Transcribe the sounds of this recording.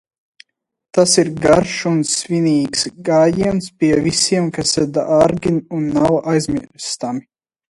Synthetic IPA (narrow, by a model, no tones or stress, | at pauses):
t̪asiɾɡaɾʃunsviniːksɡaːjiɛnspʲiɛvisiɛmkasɛd̪aʔaɾɡʲinunːawajzmiɾst̪ami